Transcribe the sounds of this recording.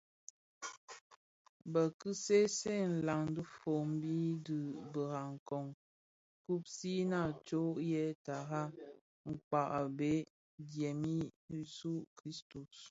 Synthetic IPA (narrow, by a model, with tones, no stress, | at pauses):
bə˨kɨ˦se˦se˦˨n̩˨la˨ŋdu˦fo˨m˦bi˦di˨bə˨ɣa˨ŋ˨kɔ˨ŋ | ku˦p̚si˦na˦˨t͡ʃo˦jɛ˦ta˨ɣa˦ | ŋ̩˨k͡pa˨ʔa˨be˦ | djɛ˨mi˦su˦kɾi˦stu˨s